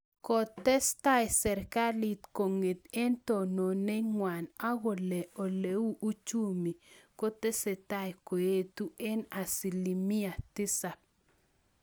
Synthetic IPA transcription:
kɔ˨tɛ˦sta˦jsɛ˨ɾka˦li˨tko˨ŋe˨t̪ɛ˦nto˨no˨ne˦ŋwa˨na˦wɔ˨lɛ˨ʔo˨le˨˦wu˦ʔu˦t͡ʃu˦mi˨ko˦tɛ˦sɛ˨ta˦jko˨je˦tu˦ɛ˦na˨si˨li˨mi˦a˨tɪ˦sa˨p̚

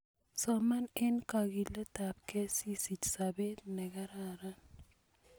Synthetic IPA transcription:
sɔma˦nɪ˦nka˨ɡi˨le˦ta˨p̚ke˦si˦si˨t͡ʃsabe˦t̪nɛ˨ka˦ɾaɾa˦n

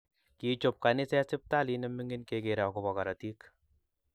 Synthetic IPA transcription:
ki˨t͡ʃo˨p̚ka˨nɪ˦sɛ˦sɪ˦p̚ta˦li˦nɛ˦mɪ˦ŋɡɪ˦nkeɡe˨ɾa˨wkʊ˨bɔ˨ka˨ɾa˨ti˦k

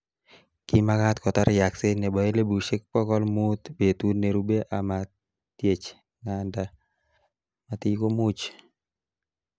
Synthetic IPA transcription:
kɪ˦ma˦kat̪kɔ˨t̪aɾɪja˨ksɪ˦ne˨bɔ˨e˦le˦bu˨ʃɪ˦k̚pɔ˦kɔ˦lmu˦t̪be˨t̪u˦nːe˨ɾu˦be˦ʔa˨ma˨ | t̪je˨t͡ʃ | ŋa˨nda˨ | mat̪i˦ko˦mu˦t͡ʃ

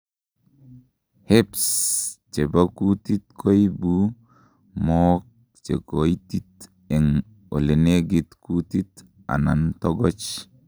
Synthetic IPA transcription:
he˦pst͡ʃe˨baku˦ti˦t̪kʰo˦jbu˦ | mɔ˦k̚ | t͡ʃḛ˨ko˨jti˦t | e˨ŋ | o̰˨le˨ne˦ɡi˨t̪ku˦ti˦t | a̰˨na̰˨ntɔ˦ɡɔ˦t͡ʃ

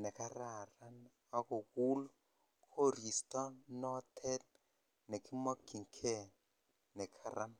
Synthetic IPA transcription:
nɛ˨ka˦ra˨ra˦n | a˦ko˨ku˦lɔ˦ | kʰo˦ɾi˨stɔ˦nnɔ˦tʰɛ˦t̚ | nɛ˨ki˦mɔ˦kːi˨ŋ˨kʰɛ˦ | nɛ˨kʰa˨ɾa˦m

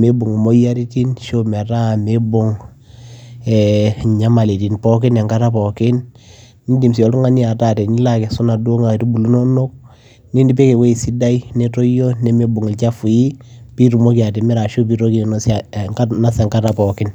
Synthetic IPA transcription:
me˦bo˨ŋ˨mo˦ja˦ɾi˦ti˦nʃo˦mɛ˨ta˦˨me˦bo˦ŋ | ɛ˨ɲa˦ma˨le˨ti˨npɔ˦k̬ɪ˦nɛ˨ŋka˦ta˦pɔ˨kɪ˦n | ni˦ndi˨msi˨ɔ˨tu˦ŋa˦ni˦a˨ta˨tɛ˨ni˦la˦ke˨su˦na˨dwo˦ŋa˨tu˦bu˨lu˦no˦no˦k̚ | ni˦ndi˦pe˦ke˨we˦i˨si˦da˦ine˦tɔ˦jo˦ne˦me˦bʊ˨ŋɪ˨lt͡ʃa˦fu˨i˦pi˦ɾu˨mo˦ki˨a˨te˨mɛ˦ɾa˨ʃo˦pi˦ɾo˦ki˦n˨ns | na˦sɛ˨ŋka˦ta˨pɔ˨kɪ˦n

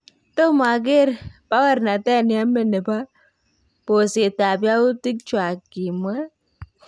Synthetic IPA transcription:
to˦ma˨ɡe˦ɾpa˦wa˦ɾna˨tɛ˦˨ni˨˦a˦me˦ne˨ba˦ | po˨se˨ta˨bja˦u˦ti˦k̚t͡ʃwa˨kːi˨ma˦

